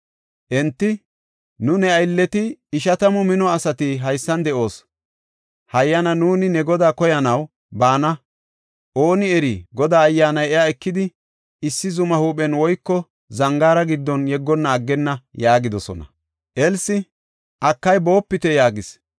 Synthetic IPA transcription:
ʔɛnt̪ːɪ | nʊnɛɐjlːɛt̪ɪɪʃɐt̪ɐmɔmɪnɔɐsɐt̪ɪɦɐjsːɐnd̪ɛʔo̞ːs | hɐjːɐnɐnuːnɪnɛɡɔd̪aːkɔjɐnɐw | baːnɐ | ʔo̞ːnɪɛɾiɡɔd̪aːjːaːnɐjɛjaɛkːɪd̪ɪ | ɪsːɪzʊmɐhuːpɛnwɔjkːɔ | zɐŋɡaːɾɐɡɪd̪ːɔnjɛɡːɔnːɐːɡːɛnːɐjaːɡɪd̪ɔsɔ̰nɐ̰ | ʔɛlsɪ | ʔɐkːɐjbo̞ːpːɪt̪ɛjaːɡɪs

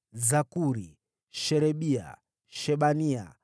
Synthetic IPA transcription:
zakuɾi | ʃɛɾɛɓia̰ | ʃɛɓania̰

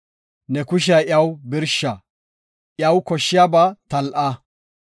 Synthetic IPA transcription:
nɛkʊʃ̬ɪɐʔjɐwbɪɾʃɐ | ʔjɐwkɔʃːɪjaːbat̪ɐlʔɐ

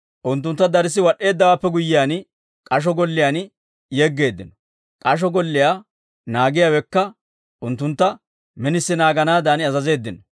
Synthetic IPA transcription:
ʔʊnt̪̬ːʊnt̪ːɐd̪ɐɾɪs̬ːɪwɐɗːe̞ːd̪ːɐwaːpːɛɡʊjːɪjaːn | kʼɐʃ̬ɔɡɔlːɪjaːn | jeɡːe̞ːd̪ːɪnɔ | kʼɐʃ̬ɔɡɔlːɪjaː | naːɡɪjawɛkːɐ | ʔʊnt̪ːʊnt̪ːɐ | mɛnɪsːɪnaːɡɐnaːd̪aːnɪɐzɐze̞ːd̪ːɪnɔ

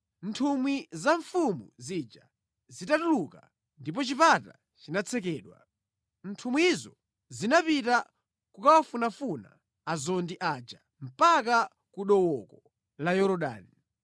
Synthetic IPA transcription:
n̩tʰumwizaɱfumṵzid͡ʒa | zitatuluka̰ | ndip̬ɔt͡ʃipata | t͡ʃinat͡sʰɛkɛːɗwa̰ | n̩tʰumwiizɔ | zinapita | kukawafunafuna̰ | azɔndiʔaːd͡ʒa | m̩paka | kuɗɔwɔkɔ | lajɔɾɔɗa̰ːni

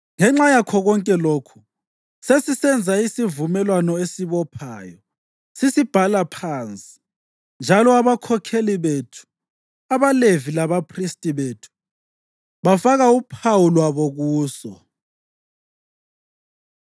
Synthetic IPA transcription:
ŋɛŋ͡ǁajakʰɔɣɔŋkʼɛlokʰu̥ | sesisɛnd͡zʱaisivumɛlwanɔesiβɔpʰaːjɔ | sisib̥ʱalapʰant͡sʼi̥ | nd͡ʒʱalɔaβakʰɔkʰeliβetʰu̥ | aβalevilaβapʰristʼiβetʰu̥ | βafaɣaupʰawulwaβoɣuːsɔ̰

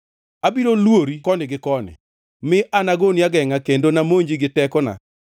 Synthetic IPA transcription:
abiɾolwoɾikɔnɪɡɪkɔnɪ̰ | mɪʔanaɡonjaɡɛŋakendonamoɲd͡ʒiɡɪtɛkɔna̰

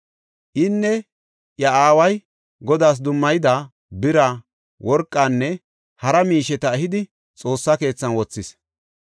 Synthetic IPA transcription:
ʔɪnːɛ | jɐaːwɐj | ɡɔd̪aːs̬d̪ʊmːɐjɪd̪a | bɪɾa | wɔɾkʼːanːɛ | hɐɾɐmiːʃɛt̪ɐɛɦɪd̪ɪ | t͡sʼo̞ːsːɐke̞ːt͡sːɐnwɔt͡sːɪs

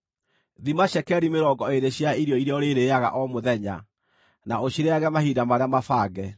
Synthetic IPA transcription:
ðimaɕɛkɛɾimeɾɔɡɔeɾeɕjaiɾjɔiɾeɔɾeɾeaɣa̰ʔɔmoðɛɲa̰ | naoɕiɾeaɣɛmahidamaɾeamafaːɡɛ

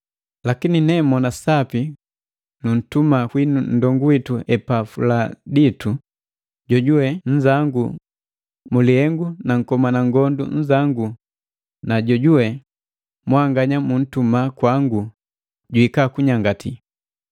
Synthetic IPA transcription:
lakininɛmɔnasapi | nun̩tumakwinun̩dɔŋɡuwituɛpafuladitu | ɟɔɟuwɛɲ̩d͡ʒaŋɡu | muliɛŋɡunaŋ̩kɔmanaŋɡɔndṵɲ̩d͡ʒaŋɡu | naɟɔɟuwɛ | mwaŋɡaɲamun̩tumakwaŋɡu | ɟuikakuɲaŋɡati

